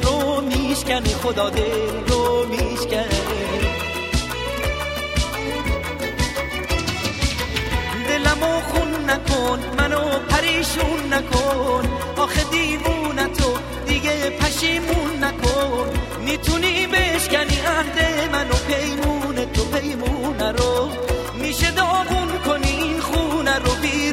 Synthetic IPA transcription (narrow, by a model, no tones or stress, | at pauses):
ɾomiʃcʲænixod̪ɒːd̪elɾomiːʃkæ | d̪e̞læmoxunːækʰonmænopʰæɾiːʃunːækʰon | ʔɒːxed̪imunæt̪ʰo | d̪iɡepʰæʃimunːækʰon | mit̪ʰunibeʃkæniæhd̪emænopʰejmunet̪ʰopʰe̞jmuːnæɾo | miʃe̞d̪ɔːɣunkʰoninxunæɾobi